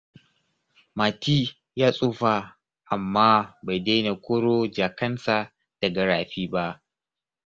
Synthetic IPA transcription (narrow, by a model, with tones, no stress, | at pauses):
ma˨tiː˦ | jaː˦sʼuː˦ɸa˨ | ʔa˨mːaː˦ba˨jda˦jna˨kʷo˦ɽo˦d͡ʒaː˨kɐ˦nsa˨ | d̥ɐ˨ɡɐ˨ɽaː˨ɸiː˦ba˦ʔ